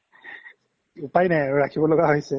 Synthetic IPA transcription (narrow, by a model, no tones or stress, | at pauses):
upajnɛɹakʰibɔlɔɡaɦojsɛ